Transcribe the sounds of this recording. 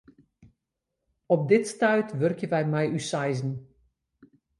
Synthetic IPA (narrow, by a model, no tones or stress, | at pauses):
ɔp̚dɪtstœɥtʋɵrkjəʋɛjmɛjysajzn̩